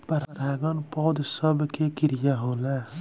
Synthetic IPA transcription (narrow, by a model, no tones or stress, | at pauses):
pɐɾɐɾaɡɔnpɔːd̪səbkekɪɾjaɦolɛ